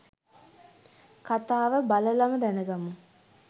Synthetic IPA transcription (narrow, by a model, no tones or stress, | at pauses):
kat̪aːʋəbaləlaməd̪ænəɡamu